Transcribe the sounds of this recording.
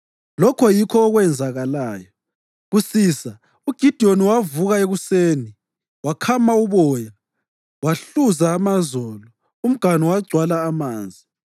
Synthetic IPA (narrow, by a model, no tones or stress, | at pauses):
lɔkʰɔjikʰɔːɣwɛnd͡zʱaɣalaːjɔ | ɣusiːsa | uɡ̥ʱid̥ʱioniwavuɣaeɣuseːni | wakʰamauβɔːja | waɬuzaːmazɔːlɔ | um̩ɡ̥ʱanɔwaɡ͡ǀʱwalaːmaːnd͡zʱi